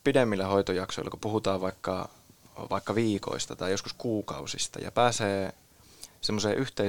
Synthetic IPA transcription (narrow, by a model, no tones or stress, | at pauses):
pidemːilːæhoit̪ojɑkso̰ilːˑɑ̰kupuhut̪ɑːʋʋɑikːɑ̰ | ʋɑikːɑʋiːko̰ist̪ɑt̪ɑijjosku̥skuːkɑ̰usist̪ɑ̰jɑ̰pæːseː | semːoseːʔyht̪e